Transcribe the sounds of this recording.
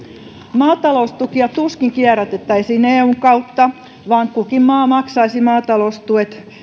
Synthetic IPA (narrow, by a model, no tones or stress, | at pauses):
mɑːt̪ɑloust̪ukiɑt̪uskiŋkiæræt̪et̪ːæisiːneːuŋkɑut̪ːɑ | ʋɑŋkːukimmɑːmɑksɑisimɑːt̪ɑloust̪uet̪